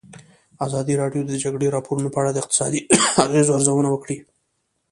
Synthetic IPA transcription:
azɑd̪iɾɑɖjod̪əd͡ʒaɡɽeɾɑpoɾunopəaɽad̪əɪq̚t̪ɪ̥sɑd̪iaɣezoaɾzawənawəkɽi

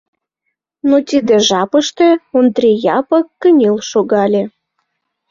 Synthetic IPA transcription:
not̪ʲid̪eʒɑpəʃt̪eond̪rʲijɑpəkːənʲilʃoɣɑlʲe

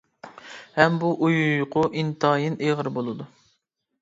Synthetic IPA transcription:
hɛmbuʔujjʊqʰʊʔint̪ʰɑːjineʁəɾbolˠɨd̪u

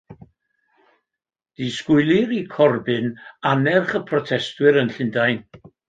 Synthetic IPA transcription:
d̥iskʊɨlˠiɾikʰɔrbɨnanɛrχəpʰrɔtʰɛstwɨɾənɬɪndajn

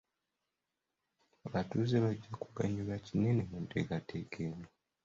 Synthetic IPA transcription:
aβatuzeβaɟːakuɡaɲulacinenemuntḛɡatʰekʰeno

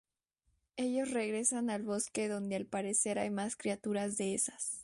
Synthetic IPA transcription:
e̞ʝo̞sre̞ɣɾe̞sanalβo̞ske̞ðo̞nd̪e̞alpaɾe̞se̞ɾajmaskɾiat̪uɾazðe̞esḁs

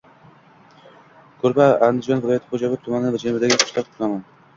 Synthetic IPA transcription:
kʰɵɾbɪand̪ɪd͡ʒɒnvɪlˠɒjat̪ʰɪ̥χod͡ʒabɪt̪ʰʊmanɪvad͡ʒanbd̪aɡʲɪqʰʊ̥ʃlaɾt̪ʰʊnaman

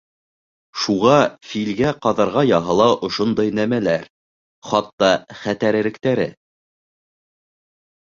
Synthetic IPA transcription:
ʃuʁɑfilɡæqɑðɑɾʁɑjɑɦɤ̆lˠɑʔŏʃond̪ɑjnæmælæɾ | χɑt̪ːɑχæt̪æɾɘ̆ɾɘ̆k̚t̪æɾɘ̰

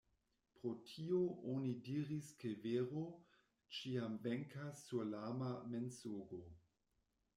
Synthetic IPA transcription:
pɾotʰioʔonidiɾiskeveɾo | t͡ʃiamveŋkasːulamamensoɡo

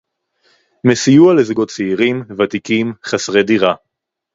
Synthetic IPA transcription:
mesijualezɡo̞tt͡seiʁimvat̪ikimχasʁediʁa

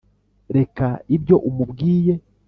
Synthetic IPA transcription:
ɾe̞kaibjo̞ʔumubɡiːje̞

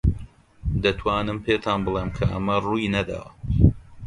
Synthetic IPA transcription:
d̪ɐt̪ʰwaːnɨmpʰeːt̪ʰaːnbɨlˠeːmkʰɐʔɐ̰mɐruːjnɐd̪a̰wɐ

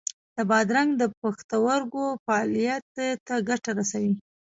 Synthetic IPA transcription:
d̪̥əbɑd̪ɾaŋɡd̪əpaxt̪awaɾɡofaɑlijat̪t̪ːaɡaʈaɾasawi

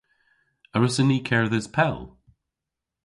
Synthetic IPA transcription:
əɹəsəniːkʰɛɹðəz̥pʰɛlˠ

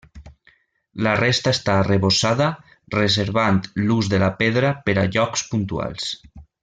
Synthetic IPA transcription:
larest̪aest̪aːreβosaða | rezeɾβant̪luzðelapeðɾapeɾaʎɔkspunt̪ua̰lˠs

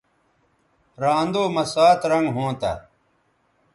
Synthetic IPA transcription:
ɾaːnd̪oːmɐsaːt̪ɾɐŋɡɦõːt̪a̰ː

